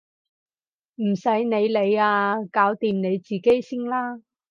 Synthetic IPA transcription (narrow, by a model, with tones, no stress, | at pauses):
m̩˨˩sɐ˨˥jne˨˧jle˨˧jaː˧kaː˨˥wt̪iː˨mne˨˧jt͡siː˨˩ke˥jsɪ˥ŋlaː˥